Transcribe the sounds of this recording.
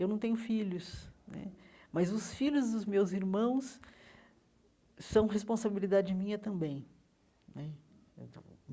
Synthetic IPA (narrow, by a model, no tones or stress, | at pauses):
ewnɐ̃w̃t̪ẽɲʊfiʎʊsnɛ̰mɐzʊsfiʎʊzd̪ʊzmewziɾmɐ̃w̃s | sːɐ̃w̃hespõsabilid̪ad͡ʒɪd͡ʒɪmĩɲɐt̪ɐ̃mbẽj̃ | nɛ